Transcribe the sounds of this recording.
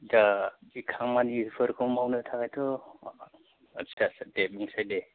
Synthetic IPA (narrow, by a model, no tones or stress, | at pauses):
daikʰaŋmanipʰɯɾkʰɔmawnɯtʰakajtʰɔ | at͡ʃʰasdep̚miŋsajde